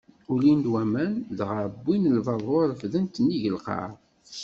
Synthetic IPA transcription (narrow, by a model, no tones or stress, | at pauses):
ulind̪wæmænðʁəɾbːinəlvɑðˤoɾˤəfðənt̪nːiʝəlqɑ̰ɾˤ